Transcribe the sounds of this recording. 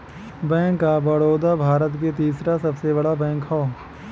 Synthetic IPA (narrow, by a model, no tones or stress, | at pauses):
bɛ̃ːŋkːabɐɽoːd̪abʱaːɾət̪ket̪iːsɾasɐbsebɐɽabɛ̃ːkɦɔː